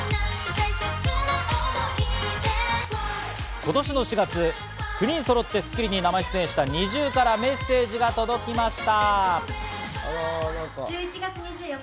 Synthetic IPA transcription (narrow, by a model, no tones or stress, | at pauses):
ko̞t̪o̞ɕino̞ɕiɡat͡sɨ | kɯ̟ɲ̟ĩɰ̃so̞ɾo̞t̪ːe̞sɨ̥kʲiɾʲiɲ̟inamaçst̪ẽɕi̥t̪aɲ̟iʑɨːkaɾame̞sːe̞ːʑiɡat̪o̞d̪o̞kʲimaɕi̥t̪a | od̪okoit͡ɕiɡaɨɲi